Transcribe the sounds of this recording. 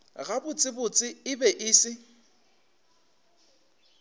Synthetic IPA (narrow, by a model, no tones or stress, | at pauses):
ɣabʊt͡sʼɪbʊt͡sʼɪɪbɛʔɪːsɪ